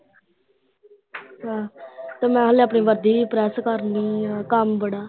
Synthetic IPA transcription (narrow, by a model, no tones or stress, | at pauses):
ɦãːt̪eːmɛ̃ːɦəːleːəpɳiːʋəɾd̪iːipɾɛːskəɾniːkəmbəɽaː